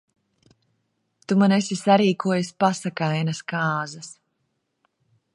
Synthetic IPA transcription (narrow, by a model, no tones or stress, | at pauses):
t̪umanesʲisaɾiːkuɔjasʲpasakajnɐskaːzɐs